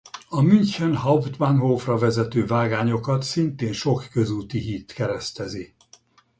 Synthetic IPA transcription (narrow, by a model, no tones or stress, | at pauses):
ɒmynt͡ʃɛnɦɒvt̪banɦoːfrɒvɛzɛt̪øːvaːɡaːɲo̞kɒt̪sint̪eːnʃo̞kːøzuːt̪iɦit̪kɛɾɛst̪ɛzi